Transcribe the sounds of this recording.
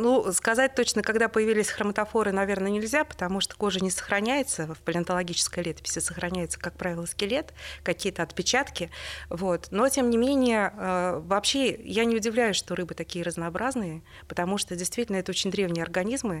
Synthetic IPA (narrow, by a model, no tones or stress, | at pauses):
nuskɐzat̚ʲt̪o̞t͡ɕnəkɐɡd̪apəjɪvʲilʲɪsʲxɾəmət̪ɐfo̞ɾɨnɐvʲe̞rnənʲɪlʲzʲapə̥t̪ɐmuʂt̪o̥ko̞ʐɨnʲɪsə̥xɾɐnʲæjɪt̪səfpəlʲɪɐnt̪əlˠɐɡʲit͡ɕɪ̥skəjlʲet̪ə̥pʲɪ̥sʲɪsəxɾɐnʲæjɪt̪səkak̚pɾavʲɪlˠəskʲɪlʲe̞t̪kɐkʲijət̪əɐt̪pʲɪt͡ɕat̪kʲɪvo̞t̪no̞tʲemnʲɪmʲenʲɪjəəvɐpɕe̞janʲɪʊdʲɪvlʲæjʊʂt̪o̞ɾɨbɨt̪ɐkʲijəɾəznɐːbɾʔaznɨjə | pə̥t̪ɐmuʂt̪o̞dʲɪjst̪vʲitʲɪlʲnəɛt̪əot͡ɕɪnʲd̪ɾʲe̞vnʲɪjəɐrɡɐnʲizmɨ